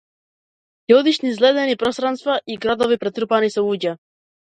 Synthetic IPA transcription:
jɔd̪iʃnizlɛd̪ɛnipɾɔst̪ɾanst̪vaʔiɡɾad̪ɔvipɾɛt̪ɾupanisɛuɟa

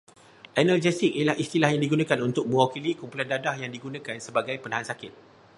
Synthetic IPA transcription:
ʔɛnald͡ʒɛsɪkijalahist̪ilahjaŋdiɡunãkanunt̪ʊk̚mə̃wakilikumpulandadahjaŋdiɡunãkansəbaɡajpənãɦansakɪt̪̚

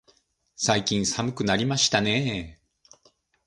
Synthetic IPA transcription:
saikʲĩɰ̃samɯ̟kɯ̟naɾʲimaɕi̥t̪ane̞

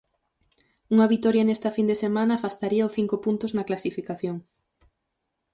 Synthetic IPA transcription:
uŋɐβit̪ɔɾjɐnest̪ɐfind̪esemãnɐfast̪aɾiɐʊθiŋkopunt̪ʊznɐklasifikaθjoŋ

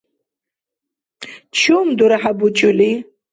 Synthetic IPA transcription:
t͡ɕʰumd̪uɾaɦabut͡ɕuli

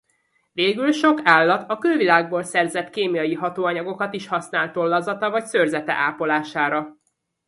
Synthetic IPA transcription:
veːɡylʃo̞kaːlːɒt̪ɒkølvilaːɡ̚boːlsɛrzɛt̪keːmijɒjiɦɒt̪oːɒɲɒɡo̞kɒt̪iʃhɒsn̪aːlt̪o̞lːɒzɒt̪ɒvɒcsørzɛt̪ɛ̰ʔaːpo̞laːʃaːɾɒ

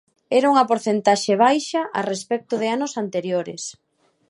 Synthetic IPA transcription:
ɛɾauŋɐpoɾθent̪aʃeβ̞ajʃɐʔarespɛk̚t̪ʊðɪanʊsant̪eɾjoɾɪ̰s

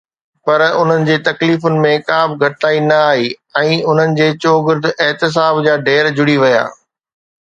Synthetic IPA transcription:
pɐɾʊn̤ənɪ̆d͡ʑeːt̪ɐkliːfʊnɪ̆mẽkaːbɡʱɐʈaːinɐaːɦiːɛ̃ːʊn̤ənɪ̆d͡ʑeːt͡ɕoːɡɪɾd̪ʱɛɦt̪ɪs̬aːbd͡ʑaːɖʱeːɾd͡ʑʊɽiʋɐja̰ː

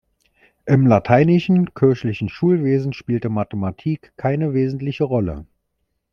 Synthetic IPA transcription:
ʔɪmlatʰaɪnɪʃn̩kʰɪɐçlɪçn̩ʃuːlveːzn̩ʃpiːltəmatəmatʰiːkʰːaɪnəveːzn̩tlɪçəʁɔlə̰

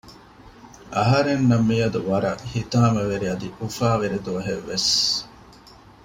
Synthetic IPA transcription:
ɐɦɐɾenːɐmːijɐd̪uʋɐɾɐʔhit̪aːmɐʋeɾiɐd̪iufaːʋeɾed̪uɐɦeʋːes

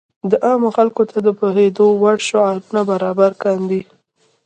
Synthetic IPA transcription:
d̪əʔɑmoxalkot̪ʰad̪əpoɦed̪owaɽʃoɑlbunabaɾɑbaɾkɑnd̪i

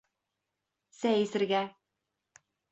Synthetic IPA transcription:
sæjɘ̆sɘ̆ɾɡæ

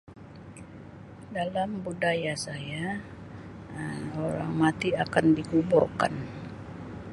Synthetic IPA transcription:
dalambudajasaja | oɾa̰ŋmat̪iakandikuburka̰n

